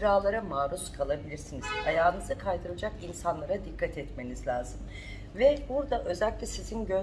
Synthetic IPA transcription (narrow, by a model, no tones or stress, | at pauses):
ɾaːlˠaɾamaːɾuskʰalˠabilʲiɾsiniz̥ajaːnɯzɯkʰajd̪ʰɯɾad͡ʒakinsanlˠaɾad̪ikʰːat̪ʰɛt̪me̞nizlʲaːz̥ɯm | vɛbuɾd̪aʔø̞zælʲkʲlʲɛsizinɟø